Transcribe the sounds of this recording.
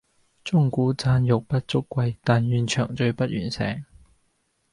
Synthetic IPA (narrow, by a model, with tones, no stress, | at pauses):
t͡sʊ˥ŋkuː˨˥t͡saː˧njʊ˨k̚pɐ˥t̚t͡sʊ˥kʷːwɐ˧jt̪aː˨njyː˨˩nt͡ʃʰœː˨˩ŋt͡ʃɵ˧ɥpɐ˥t̚jy̰ː˨˩nsɛ̰ː˨˩ŋ